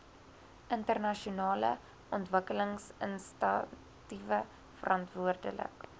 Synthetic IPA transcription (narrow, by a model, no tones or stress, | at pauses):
ʔəntərnɐʃiunɑːlə̰ | ʔɔntvəkələŋsənstɐ | tivə | fərʔɑntvuərdə̰lə̰k